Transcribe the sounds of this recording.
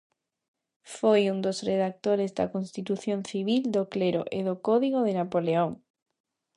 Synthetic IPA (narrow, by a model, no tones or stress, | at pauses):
fojund̪osreðak̚t̪oɾezd̪a̰konst̪it̪uθjonθiβ̞ild̪okleɾo̰ʔeðokɔðiɣ̞oðenapoleoŋ